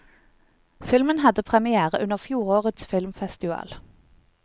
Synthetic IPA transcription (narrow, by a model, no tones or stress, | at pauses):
fɪlmənhɑd̪əpʰʁɛmɪæːʁəʔʉnəʁfjuːʁoːʁət̪sfɪlmfɛst̪ɪʋɑ̰ːl